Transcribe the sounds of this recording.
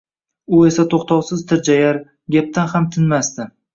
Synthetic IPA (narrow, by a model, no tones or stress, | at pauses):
ʊe̞sat̪ʰoχt̪ʰɒwsɪzt̪ʰɪɾd͡ʒajaɾ | ɡʲap̚t̪ʰanhamt̪ʰɪnmast̪ɪ